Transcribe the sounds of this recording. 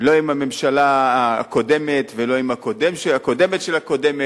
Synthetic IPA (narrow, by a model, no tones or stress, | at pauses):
lo̞imhame̞mʃalaa̰ko̞d̪e̞met̪velo̞imako̞d̪emʃeako̞d̪e̞metʃelako̞de̞me